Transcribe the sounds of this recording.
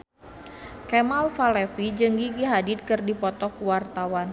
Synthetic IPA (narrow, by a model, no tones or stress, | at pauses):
kɛmalfalɛfid͡ʒɨŋɡiɡiɦadid̪̚kɨrdipɔt̪ɔkuwart̪awan